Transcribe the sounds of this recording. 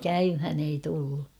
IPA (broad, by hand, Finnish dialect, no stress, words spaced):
kæymhæn ei tulːu